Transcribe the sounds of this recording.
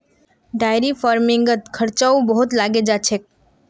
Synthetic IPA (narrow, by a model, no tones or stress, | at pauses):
ɖaːjɾifaːɾmɪ̃ŋɡət̪kʰəɾt͡ʃaubəɦʊt̪laːɡed͡ʒat͡ʃʰek̚